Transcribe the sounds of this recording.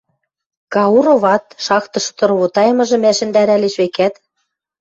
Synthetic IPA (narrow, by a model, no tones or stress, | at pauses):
kɑuɾoβɑt̪ʃɑkt̪ɤ̆ʃ̆t̪ɤ̆rβot̪ɑjmɤ̆ʒɤ̆mæʃɘ̆nd̪æɾæleʃβekæt̪